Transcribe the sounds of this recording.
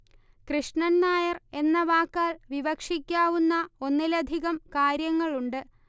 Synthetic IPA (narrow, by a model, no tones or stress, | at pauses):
krɨʂɳɐnːaːjɐre̞nːɐʋaːkːaːlʋiʋɐkʂikʲːaːʋunːɐo̞nːilɐd̪ʱiɣɐmkaːɾjɐŋːɐɭuɳɖɨ